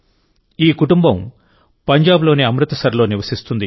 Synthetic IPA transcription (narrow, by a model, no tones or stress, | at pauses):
iːkuʈumbɐm | pɐɲd͡ʒaːblo̞ːniɐmɾɨt̪ɐsɐɾɐlo̞ːniʋɐsist̪und̪i